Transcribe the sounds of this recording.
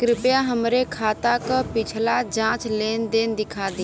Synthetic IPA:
kɾɪpjaɦəmɾekʰaːt̪akapɪt͡ʃʰlad͡ʒãːt͡ʃleːnd̪eːnd̪ɪkʰaːd̪i

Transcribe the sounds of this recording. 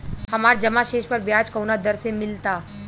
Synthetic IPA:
hɐmaːɾd͡ʒɐmaʃeːʃpəɾbjaːd͡ʒkɐwnad̪ɐɾsẽmɪlt̪aː

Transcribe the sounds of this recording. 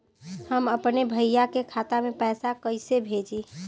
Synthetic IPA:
həməpnebʱəjjakekʰat̪amepɛjsakəɪsebʱed͡ʒi

